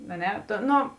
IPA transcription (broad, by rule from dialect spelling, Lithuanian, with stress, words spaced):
ɐ ˈnʲɛ tʊ ˈnoː